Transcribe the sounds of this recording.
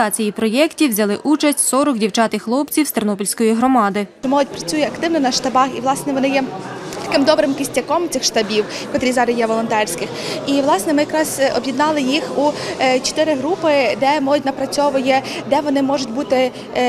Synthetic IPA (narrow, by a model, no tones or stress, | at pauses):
ɑt͡sʲijipɾɔjɛktʲiwzʲɐlˠɪʔut͡ʃɐsʲtʲsɔɾɔkdʲiwt͡ʃɑt̪ɪxlˠɔpt͡sʲiwst̪ernɔpʲilʲsʲkɔjiɦɾɔmɑd̪ɪt͡ʃɔmɔlˠʊtʲpɾɐt͡sʲujɛɐkt̪ɪwnɔnɐʃt̪ɐbɑxiʋlˠɑsnɛʋɔnɪjɛt̪ɐ̥kɪmd̪ɔbɾɪmkɪsʲtʲːɐkɔmt͡s̪ʲɪxʃt̪ɐbʲiwkɔt̪ɾʲizɑɾɪjɛʋɔlˠɔnt̪ɛrʲsʲkɪxiʋlˠɑsnɛmɪjɐkɾɑzɔ̰bʲjid̪nɑlˠɪjixut͡ʃɔ̥t̪ɪɾɪɦɾupɪd̪ɛmɔlˠʊt̚ʲnɐpɾɐt͡sʲɔʋʊjɛd̪ɛʋɔnɪmɔʒʊtʲbut̪ɪ